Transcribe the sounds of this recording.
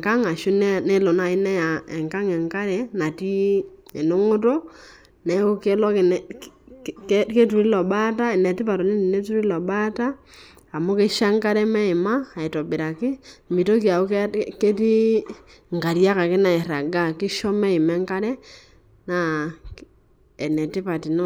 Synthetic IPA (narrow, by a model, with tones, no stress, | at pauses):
ka˦ŋa˨ʃu˦nɛ˦˨ne˦lo˨na˨ɪ˦nɛ˦ja˨ɛ˨ŋka˦ŋɛ˨ŋka˦ɾɛ˨na˨ti˦ɛ˨no˦ŋʊ˦t̬o˦ | nɛ˨˦o˦ke˦lɔ˦kɪ˨n˨ | kke˦tu˨ɾi˦lɔ˨ɓa˦ta˦ɛ˨nɛ˨tɪ˦pa˨tɔ˨ni˦ni˨ne˦tu˦ɾi˦lɔ˨ɓa˦taː˦˨ | mo˦ke˦ʃa˦ŋka˦ɾɛ˦mɛ˦ɪ˨maː˦˨i˨tɔ˨bɪ˨ɾa˨kɪ˦mbi˨to˦ki˨a˨u˦kke˦ti˦ | ŋ˨ka˨ɾja˦ka˨kɪ˦na˨i˨ɾa˨ɡa˦kɪ˦ʃɔ˦mɛ˦ɪ˨mɛ˦ŋka˦ɾɛ˦ | na˦ | ɛ˨nɛ˨tɪ˦pa˨ti˨n˦